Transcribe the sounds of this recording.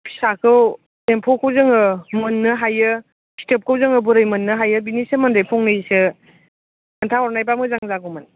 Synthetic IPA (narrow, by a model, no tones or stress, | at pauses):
pʰi̥sakʰɯw | empʰɔkʰowzɯŋɯmɯnːɯɦajɯ | si̥tep̚kʰəwzɯŋɯbuɾɯjmɯnːɯɦajɯbinisɯmɐndɯjpʰɔŋnɯjsɯ | kantʰaɔɾnajpamɯzaŋzaɡomɯn